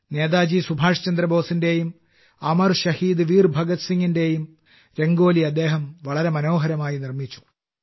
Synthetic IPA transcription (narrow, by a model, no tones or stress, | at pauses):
neːd̪aːd͡ʑisubʱaːʂɐt͡ɕɐnd̪ɾɐbʱo̞ːsinde̞jum | ɐmɐrɕɐhiːd̪ɨʋiːrbʱɐɡɐt̪siŋːinde̞jum | ɾe̞ŋɡo̞ːliɐd̪ːe̞ːɦɐmʋɐɭɐɾe̞mɐno̞ːɦɐɾɐmaːjinirmit͡ɕːu̥